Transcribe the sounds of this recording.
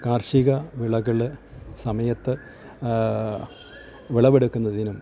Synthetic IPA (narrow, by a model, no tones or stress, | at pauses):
kaːrʂiɣɐʋiɭɐɣɐɭ | sɐmɐjɐt̪ːɨ | ʋiɭɐʋeɽukːunːɐðinum